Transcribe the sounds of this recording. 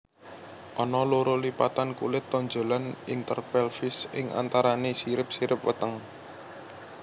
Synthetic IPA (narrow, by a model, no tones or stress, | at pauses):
ʔɔnɔloɾolipat̪ankṵlɪt̪ːɔɲd͡ʒo̤lanint̪ərpɛlfɪsɪŋʔa̰nt̪aɾanesiɾɪp̚siɾɪp̚wə̰t̪əŋ